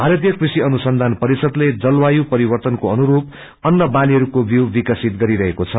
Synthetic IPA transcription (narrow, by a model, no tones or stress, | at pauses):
bʱaɾʌt̪̬ijʌkrisiʌnusʌnd̪ʱanpʌɾisʌd̪led͡zʌlwajupʌɾibʌrt̪ʌnkoʌnuɾup̚ | ʌnːʌbaliɦʌɾukobjuwbikʌsit̪ɡʌɾiɾʌɦekot͡sʰʌ